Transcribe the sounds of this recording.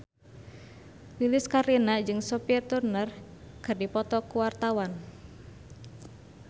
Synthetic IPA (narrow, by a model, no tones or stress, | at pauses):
lilɪskaɾinad͡ʒɨŋsɔpirt̪urnər | kə̤rdipɔt̪ɔkuwart̪awan